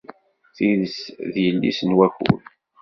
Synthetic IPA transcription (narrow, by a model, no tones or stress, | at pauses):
θiðəsðjəlːḭsənwæçṵl